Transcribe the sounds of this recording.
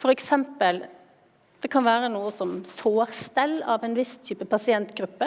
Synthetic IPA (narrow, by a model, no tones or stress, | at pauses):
fɔɾɛksɛmpəl | d̪̥ɛkʰɑnʋæːɾənuːəsɔmsoːɾst̪ɛlːɑʋɛnʋɪst̪ʰyːpəpʰɑsɪɛnt̪ɡɾʉpːə